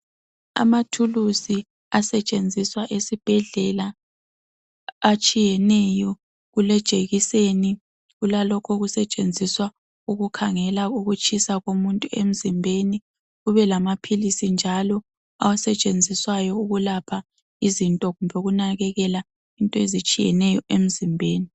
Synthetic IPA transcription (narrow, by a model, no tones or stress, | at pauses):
a̰matʰulusi | asɛt͡ʃʼend͡zʱiswaʔesib̥ʱɛɮɛla | t͡ʃʼijɛnɛjɔ | ɣulɛd̥ʒ̥ʱeɣiseni | ɣulalɔkʰɔɣusɛt͡ʃʼend͡zʱiswa | uɣukʰaŋɛlauɣut͡ʃʼisaɣomuntʼuḛm̩zimbʱeni | ɣuβɛlamapʰilisind͡ʒʱalɔ | a̰wasɛt͡ʃʼend͡zʱiswajɔuɣulapʰa | izintʼɔɣumbʱɛɣunaɣɛɣɛla | intʼɔezit͡ʃʼijɛ̰nɛjɔʔem̩zimbʱeːni